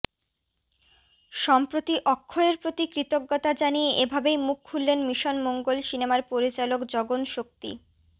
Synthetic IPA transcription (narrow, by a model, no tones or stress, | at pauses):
ʃɔmpɾot̪iʔɔkʰːoeɾpɾot̪ikɾit̪oɡːot̪ad͡ʑanieʔebʱabejmukʰːulːenmiʃonmoŋɡolsinemaɾpoɾit͡ɕalokd͡ʑɔɡonʃok̚t̪ḭ